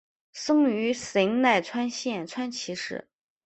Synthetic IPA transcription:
sɤ˥ŋy˧˥se˧˥ŋna˥˩ɪt͡sʰwa˥nɕjɛ˥˩nt͡sʰwa˥nt͡ɕʰi˧˥ʂɻ̩̰˥˩

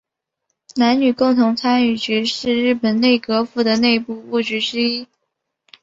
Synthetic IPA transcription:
na˧˥nny˨˩kʊ˥˩ŋt̪ʰʊ˧˥ŋt͡sʰa˥ny˥˨˩t͡ɕy˧˥ʂɻ̩˥˧ɻɻ̩˥˩pə˨˩nne˥˩ɪkɤ˧˥fu˥˩d̪ə˩ne˥˧ɪpu˥˧u˥˩t͡ɕy˧˥ʈ͡ʂɻ̩˥i˥

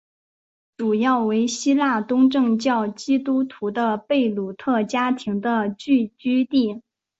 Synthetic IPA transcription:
ʈ͡ʂu˨˩jɑ˥˩ʊwe˧˥ɪɕi˥la˥˩t̪ʊ˥ŋʈ͡ʂɤ˥˧ŋt͡ɕjɑ˥˩ʊt͡ɕi˥t̪u˥t̪ʰu˧˥d̪ə˧pe˥˩ɪlu˨˩t̪ʰɤ˥˩t͡ɕja˥t̪ʰi˧˥ŋd̪ə˧t͡ɕy˥˩t͡ɕy˥t̪i˥˩

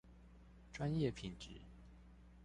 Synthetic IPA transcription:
ʈ͡ʂwa˦njɛ˥˨pʰi˨˩nʈ͡ʂɻ̩˨˦

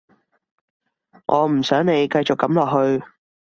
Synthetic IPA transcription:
ŋʔɔː˨˧m̩˨˩sœː˨˥ŋne˨˧jkɐ˧jt͡sʊ˨kːɐ˨˥mlɔː˨k̚hɵ˧ɥ

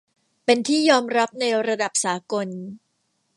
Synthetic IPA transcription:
pe˧nt̪ʰiː˥˩jɔː˧mɾa˦˥p̚na˧jɾa˧da˨˩p̚saː˩˦ko˧n

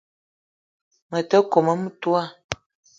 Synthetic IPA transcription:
mə˨tə˦ko˨mə˦m̩˦tu˦a˦˨

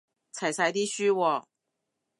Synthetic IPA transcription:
t͡sʰa˨˩jsa˧˥jt̪i˥ɕy˥wɔ˨˩

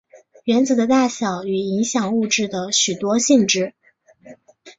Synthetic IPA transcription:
ɥɛ˧˥nt͡sɹ̩˨˩d̪ə˦t̪a˥˩ɕjɑ˨˩ʊy˨˩i˧˥ŋɕjɑ˨˩ŋu˥˧ʈ͡ʂɻ̩˥˩d̪ə˩ɕy˨˩t̪wɔ˥ɕi˥˧ŋʈ͡ʂɻ̩˥˩

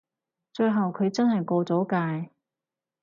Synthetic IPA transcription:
t͡ʃɵ˧ɥɦɐ˨wkʰɵ˨˧ɥt͡sɐ˥nhɐ˨jkɔː˧t͡sɔː˨˥kaː˧j

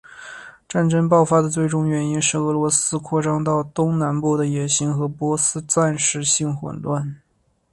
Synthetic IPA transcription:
ʈ͡ʂa˥˩nʈ͡ʂə˥ŋpɑ˥˩ʊfa˥d̪ə˨t͡swe˥˧ɪʈ͡ʂʊ˥ŋɥɛ˧˥ni˥nʂɻ̩˥˩ɤ˧˥lwɔ˧˥sɹ̩˥kʰwɔ˥˩ʈ͡ʂɑ˥ŋt̪ɑ˥˩ʊt̪ʊ˥ŋna˧˥npu˥˩d̪ə˩jɛ˨˩ɕi˧˥ŋxɤ˧˥pwɔ˧˥sɹ̩˥t͡sa˥˧nʂɻ̩˥˧ɕi˥˩ŋxwə̰˨˩nlwa˥˩n

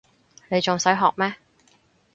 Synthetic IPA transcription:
ne˨˧jt͡sʊ˨ŋsɐ˨˥jɦɔː˨k̚mɛː˥

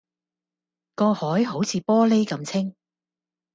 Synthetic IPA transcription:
kɔː˧hɔː˨˥jɦo˨˥wt͡sʰiː˨˧pɔː˥le˥jkɐ˨˧mt͡sʰɪ˥ŋ

